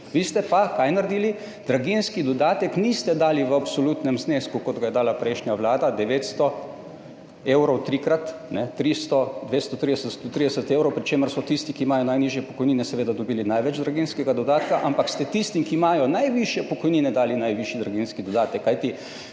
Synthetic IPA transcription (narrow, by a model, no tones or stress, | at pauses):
ʋiːst̪ɛpakajnaɾed̪iːli | d̪̥ɾaɡinskid̪ɔd̪aːt̪ɛknist̪ɛd̪aːliʋəapsolut̪nɛmzneːskukɔd̪ɡajɛd̪aːlapɾɛjʃnjaʋlaːd̪ad̪ɛʋeːt̪st̪ɔ | eːwɾɔwt̪ɾikɾat̪nɛt̪ɾist̪ɔd̪ʋest̪ɔt̪ɾid̪ɛsət̪st̪ot̪ɾid̪ɛsət̪eːwɾɔwpɾit͡ʃeːməɾsɔt̪ist̪ikiːmaːjɔnajniːʒjɛpɔkɔjniːnɛsɛʋeːd̪ad̪obiːlinajʋɛd͡ʒd̪ɾaɡinskɛɡad̪ɔd̪aːt̪kaʔampakst̪ɛt̪ist̪imkiːmaːjɔnajʋiʃjɛpɔkɔjniːnɛd̪aːlinajʋiʃjid̪ɾaɡinskid̪ɔd̪aːt̪ɛkːajt̪i